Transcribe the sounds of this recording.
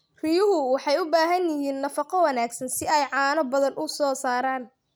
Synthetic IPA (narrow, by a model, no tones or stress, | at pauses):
rijʊɦʊwɑħɑjʊbaːɦɐnjɪjiːnːɐfɑqɔwɑnaːɡsɐnsɪɛjʕɑːnɔbɐðɐnʔʊsɔːsaːɾaːn